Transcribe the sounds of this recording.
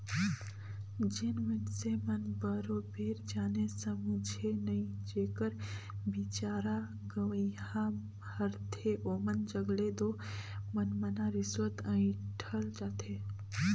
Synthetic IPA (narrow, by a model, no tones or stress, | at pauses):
d͡ʒɪnmɪʈsemənbəɾobʱeːɾd͡ʒaːnesəmud͡ʒʱenɐĩd͡ʒeːkəɾbɪt͡ʃaːɾa | ɡəʋəɦã | bʱəɾt̪ʰeʔoːmənd͡ʒəɡled̪oː | mənmənaɾɪswət̪ə̃ːĩʈʰəld͡ʒaːt̪ʰe